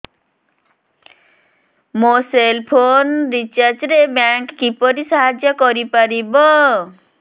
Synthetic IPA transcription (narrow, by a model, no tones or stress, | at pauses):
moselpʰonɾit͡ʃaɾd͡ʒɾebjaŋkkipɔɾisaɦad͡ʒjɔkɔɾipaɾibɔ